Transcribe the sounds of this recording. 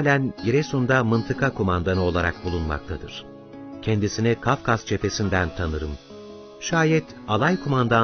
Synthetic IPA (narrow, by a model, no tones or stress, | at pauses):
hlʲænjiɾɛsund̪amɯnt̪ʰɯkʰakʰumand̪anɯo̞lˠaɾa̰k̚bulˠunma̰k̚t̪ʰad̪ɯ̰ɾ̥ | cʰɛnd̪isinikʰafkʰazt͡ʃʰe̞pe̞sind̪ænt̪ʰanɯɾɯm | ʃaːjɛt̪ | alˠajkʰumand̪a